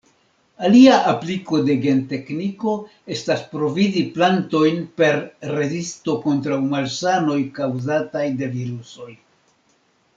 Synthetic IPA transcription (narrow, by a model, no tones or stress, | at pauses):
aliaʔapliko̞de̞ɡe̞nte̞kniko̞ | e̞staspɾo̞viziplanto̞jnpe̞ɾːe̞zisto̞ko̞ntɾawmalsano̞jkawzatajde̞viɾuso̞j